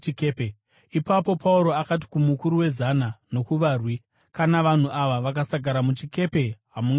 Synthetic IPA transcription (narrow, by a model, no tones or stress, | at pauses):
kepe | ipapo̞pʰauɾo̞akat̬i̥kumukuɾuwe̞zanano̞kuʋaːrwi | kanaʋan̤uʔaʋaʋak̬asaɡʱaɾamut͡ʃike̞pe̞ɦamuŋɡ